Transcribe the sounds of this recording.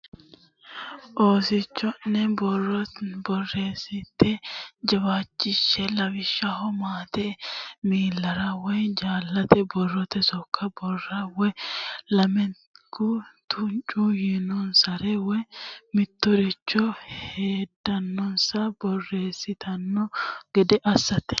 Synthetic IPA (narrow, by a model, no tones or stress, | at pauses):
ʔo̞ːsɪt͡ʃːɔnːɛbɔrːɔbɔrːe̞ːsːɪt̪ːɛd͡ʒɐbaːt͡ʃʼːɪʃːɛlɐbɪʃːɐhɔmaːt̪ɛmiːlːɐɾɐwɔjd͡ʒaːlːɐt̪ɛbɔrːɔt̪ɛsɔkʰːɐbɔrːɐwɔjlɐmɛ | kʊt̪ʰʊnt͡ʃʼujinɔnsɐɾɛwɔjmɪt̪ːɔɾɪt͡ʃːɔheːd̪ːɐnːɔnsɐbɔrːe̞ːsːɪt̪ʰɐnːɔɡɛd̪ɛʔɐsːɐt̪ːɛ̥